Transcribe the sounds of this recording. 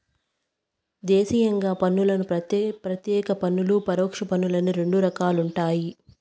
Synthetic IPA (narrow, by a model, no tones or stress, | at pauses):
d̪eːsijɐŋɡaːpɐnːulɐnupɾɐt̪jɛːkɐpɐnːulupɐɾoːkʂɐpɐnːulɐnuɾe̞ɳɖuɾɐkaːluɳʈaːji